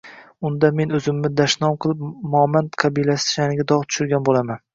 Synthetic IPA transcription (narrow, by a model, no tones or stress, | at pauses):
ʊnd̪ame̞nɵzɪmːɪd̪aʃnɒmqʰɨlˠɪp̚mɒmand̪qʰɑbijlasɪ̥ʃanɪɡʲad̪ɒʁt̪ʰʊ̥ʃʊɾɡʲanbolaman